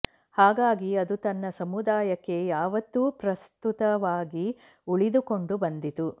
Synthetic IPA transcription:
haːɡaːɡiɐd̪ut̪ɐnːɐsɐmud̪aːjɐkːe̞jaːʋɐt̪ːupɾɐst̪ut̪ɐʋaːɡi | uɭid̪uko̞ɳɖubɐnd̪it̪u

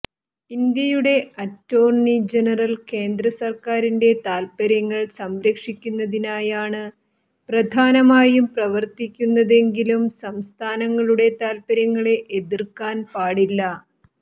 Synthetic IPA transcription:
ind̪jɐjuɽe̞ɐtːo̞ːrɳid͡ʑenɐrɐlke̞ːnd̪rɐsɐrkaːɾinde̞t̪aːlpɐɾjɐŋːɐɭsɐmɾɐkʂikʲːunːɐðinaːjaːɳɨ | prɐd̪ʱaːnɐmaːjumprɐʋɐrt̪ikʲːunːɐðe̞ŋɡilumsɐmst̪ʰaːnɐŋːɐɭuɽe̞t̪aːlpɐɾjɐŋːɐɭe̞ʔeðirkaːnpaːɽilːɐ

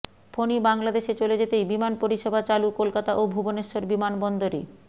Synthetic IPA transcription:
fʰonibaŋlad̪eʃet͡ɕoled͡ʑet̪ejbimanpoɾiʃebʱat͡ɕalukolkat̪aʔobʱuboneʃːoɾbimanbɔnd̪oɾe

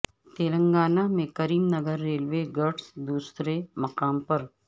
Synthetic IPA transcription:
t̪eːlə̃ŋɡaːnamẽkɐɾiːmnɐɡəɾːeːlʋeɡɐɾʈsd̪uːsɾemɐqaːmpɐɾ

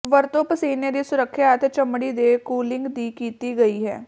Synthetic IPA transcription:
ʋəɾt̪opəseːned̪isʊɾəkʰːjaːt̪t͡ʃəmɽid̪ekuːlɪ̃ŋɡd̪iːkiːt̪iɡɐiɦɛː

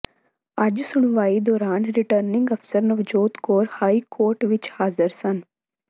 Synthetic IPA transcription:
ad͡ʒsʊɽ̃ʋaːid̪ɔːɾaːnɾɪʈəɾnɪ̃ŋɡɐpsəɾnɐʋd͡ʒoːt̪koːɾhaːikoːɾʈʋɪt͡ʃhaːzəɾsən

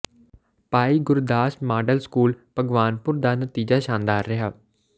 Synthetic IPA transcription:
paːiːɡʊɾd̪aːʃmaːɖəlskuːlpəɡʋaːnpʊɾd̪aːnət̪iːd͡ʒaːʃaːnd̪aːɾːɪɦaː

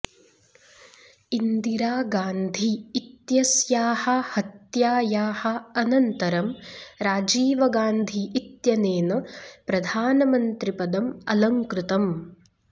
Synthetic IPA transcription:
ind̪iɾaːɡaːnd̪ʱiːt̪jɐsjaːhɐhɐt̪jaːjaːhɐ̆ɐnɐnt̪ɐɾɐmɾaːd͡ʒiːʋɐɡaːnd̪ʱiːt̪jɐneːnɐpɾɐd̪ʱaːnɐmɐnt̪ɾipɐd̪ɐmɐ̰lɐŋkɾut̪ɐm

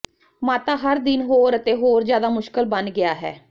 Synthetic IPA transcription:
maːt̪aːɦəɾd̪ɪnɦoːɾət̪eːɦoːɾzjaːd̪aːmʊʃkəlbənɡɪjaːɦɛ̰ː

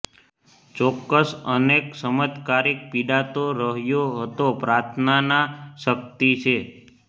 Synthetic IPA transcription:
t͡ʃɔkːəsəneksəmət̪kaɾik̚piɖat̪oɾəɦjoɦət̪opɾaɾt̪ʰnanaʃək̚t̪it͡ʃʰe

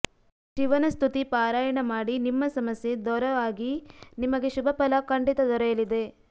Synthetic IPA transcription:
ʃiʋɐnɐst̪ʰut̪ipaːɾaːjɐɳɐmaːɽinimːɐsɐmɐsje̞d̪ɔɾɐʋaːɡinimɐɡeʃubʱɐpɐlɐkɐɳɖit̪ɐd̪ɔɾɐjɐlid̪e̞

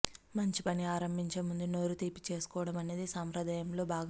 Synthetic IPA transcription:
mɐɲt͡ʃipɐniaːɾɐmbʱiɲt͡ʃemund̪uno̞ːɾut̪iːpi̥t͡ʃeːsu̥kɔːʋɐɽɐmɐne̞ːd̪isaːmpɾɐd̪ɐjɐmlo̞ːbʱaːɡ

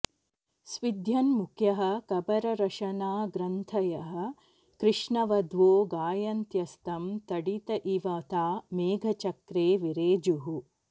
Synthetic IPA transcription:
sʋid̪ʱjɐnmukʰjɐɦɐ̆kɐbɐɾɐɾɐʃɐnaːɡɾɐnt̪ʰɐjɐɦɐ̆ | kɾɪʂɳɐʋɐd̪ʱʋoːɡaːjɐnt̪jɐst̪ɐmt̪ɐɽit̪ɐʔiʋɐt̪aːmeːɡʱɐt͡ʃɐkɾeːʋiɾeːd͡ʒuɦu

